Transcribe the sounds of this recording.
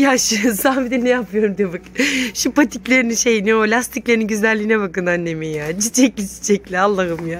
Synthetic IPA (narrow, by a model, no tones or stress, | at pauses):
jaʃɯzabid̪ɛnɛjapʰɯjo̞ɾumd̪ibakʃipat̪ʰiclʲe̞ɾininʃe̞jiniolʲast̪ʰiclʲeɾininɟyzlælʲːiinɛbakɯnanːemejad͡ʒit͡ʃʰɛc̚lʲit͡ʃi̥t͡ʃʰɛclʲialˠːaɦɯmja